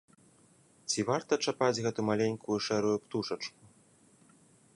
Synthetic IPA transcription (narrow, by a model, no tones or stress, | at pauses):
t͡sʲivart̪ɐt͡ʂapad͡zʲɣɛt̪umalʲeɲʲkujuʂɛɾujupt̪uʂɐt͡ʂku